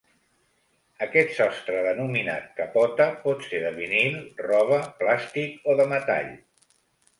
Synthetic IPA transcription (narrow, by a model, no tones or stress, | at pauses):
əkɛt̪sɔst̪ɾəðənumina̰t̪̚kəpɔt̪əpɔt̪seðəβinilrɔβ̞əplast̪ikoðəmət̪a̰ʎ